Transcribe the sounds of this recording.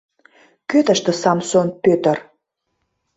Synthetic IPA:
køt̪ə̆ʃt̪ə̆sɑmsonpøt̪ər

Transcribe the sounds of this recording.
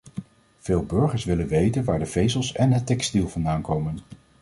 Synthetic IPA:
v̥eːlˠbɵɹχəɹsʋɪlənʋejtənʋaːɹdəvejzəlˠsɛnɦətɛkstilˠvɑndaːnkowmən

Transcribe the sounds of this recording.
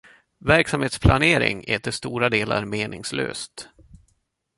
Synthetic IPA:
væɾksamheːt̪spʰlaneːɾɪ̰ŋɛːt̪əst̪uːɾad̪eːlaɾmeːnɪŋslø̰ːst̪

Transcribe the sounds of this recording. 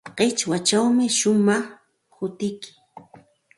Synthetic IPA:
qet͡ʃwat͡ʃawmɪʃʊmɑχ | hʊt̪ɪjkɪ̥

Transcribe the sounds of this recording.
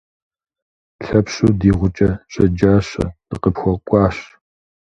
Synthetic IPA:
ɬɐpɕʼuːdiːʁʷʊt͡ʃʼɐɕʼɐd͡ʒaːɕɐ̰d̥ɨqəpxʷɔkʷʼɑːɕ

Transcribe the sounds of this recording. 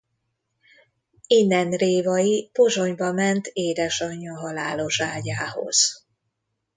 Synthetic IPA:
inːɛnreːvɒjipo̞ʒo̞ɲbɒmɛnt̪eːd̪ɛʃɒɲːɒɦɒlaːlo̞ʃaːɟaːho̰z̥

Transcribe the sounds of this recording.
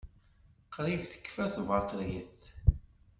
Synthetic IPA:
qɾivθə̥kːfæθvɑt̪ˤɾjiθ

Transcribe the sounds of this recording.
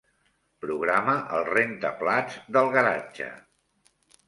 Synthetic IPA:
pɾuɣɾaməʔəlˠrent̪əplad͡zd̪əlˠɣəɾad͡ʒə̰

